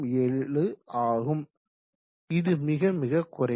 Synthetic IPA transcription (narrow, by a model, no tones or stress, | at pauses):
ɛɻɭɯʔaːɣɯm | ɪðɯmɪɣɐmɪɣɐkːʊrɐ